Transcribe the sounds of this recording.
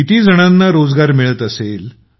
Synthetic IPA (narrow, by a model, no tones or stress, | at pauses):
it̪iːd͡zəɽ̃anːaɾod͡zɡaɾmiɭət̪əsel